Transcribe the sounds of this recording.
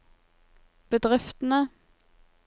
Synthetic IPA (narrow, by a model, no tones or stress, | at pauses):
b̥əd̪ʁɪft̪n̩ə